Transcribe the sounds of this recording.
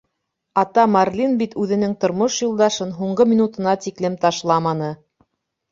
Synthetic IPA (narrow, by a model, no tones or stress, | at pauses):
ɑt̪ɑmɑrlʲinbit̪ʉðɘ̆nɘŋt̪ŏɾmoʃjŭlˠd̪ɑʃɤnɦuɴɢɤmʲinut̪ɤ̆nɑt̪iklɘmt̪ɑʃlˠɑmɑnɤ